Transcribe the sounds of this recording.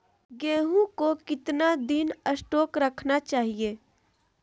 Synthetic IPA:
ɡẽːɦũkokɪt̪nad̪ɪnəsʈoːkɾəkʰnat͡ʃaːɦieː

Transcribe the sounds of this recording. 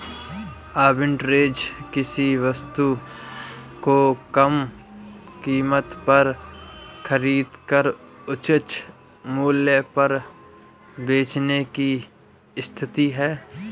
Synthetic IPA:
aːbɪ̃ɳʈɾeːd͡ʒkɪsiʋəst̪u | kokəm | kiːmət̪pɐɾ | xəɾiːd̪kəɾʊt͡ʃɪt͡ʃ | muːljəpɐɾ | beːt͡ʃneki | ɪst̪ʰɪt̪iɦɛː

